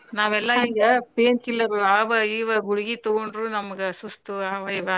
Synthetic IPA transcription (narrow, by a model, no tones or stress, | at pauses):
naːʋɛlːɐiːɡɐpeːnkilːɐɾuaːbaːɡiʋɐɦuɽiɡit̪oɡoɳɖɾunɐmɐɡɐsust̪uaːʋɐiʋɐ